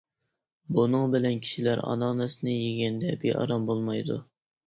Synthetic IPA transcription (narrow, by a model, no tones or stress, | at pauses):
bunɨŋbɪlɛnkʲʰi̥ʃilæɾɑ̰nɑnɛsnɪjeɡʲɛnd̪ɛbḛʔɑ̰ɾɑmbolˠmɑjd̪ṵ